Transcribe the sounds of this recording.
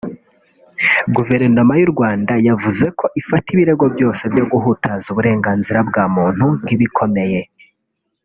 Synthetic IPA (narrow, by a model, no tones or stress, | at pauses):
ɡuve̞ɾnomajuɾɡwaːndajavuze̞ko̞ʔifatiβiɾe̞ɡo̞bjo̞ːse̞bjo̞ɡuɦutʰazuβuɾe̞ːŋɡaːnziɾabɡaːmuːn̥hun̥iβikʰo̞me̞je̞